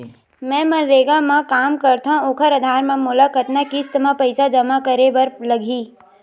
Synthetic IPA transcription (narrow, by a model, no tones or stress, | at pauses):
mɛ̃ːmɐ̃ɾeːɡamãkaːmkɐɾt̪ãoːkʰəɾəd̪ʱaːɾmẽmʊlakət̪nakist̪əmapəɪsad͡ʒɐmakəɾeʋɐɾlɐɡʱiː